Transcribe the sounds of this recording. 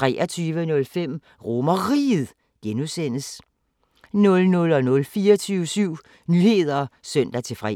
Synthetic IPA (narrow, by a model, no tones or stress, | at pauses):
t͡sʰʁɛ̰ːɒt͡sʰyːʋənɔ̽lfem̰ | ʁo̝mɐʁḭːðˠ | ɡ̥enusen̰əs | nɔ̽lnɔ̽lɒ̽nɔ̽lfiːɒt͡sʰyʊsyʊ̰ | nyːhe̝ð̞ˠɐsœn̰d̥æt͡sʰe̝fʁɛ